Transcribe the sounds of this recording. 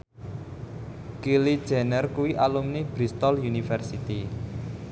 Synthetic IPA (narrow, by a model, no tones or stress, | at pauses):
kilid̥ʒ̥ɛ̤nərkuwiʔalumnib̥ɾist̪ɔljunifɛrsit̪i